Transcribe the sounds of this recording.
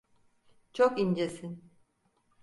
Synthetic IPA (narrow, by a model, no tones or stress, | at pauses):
t͡ʃʰokind͡ʒesin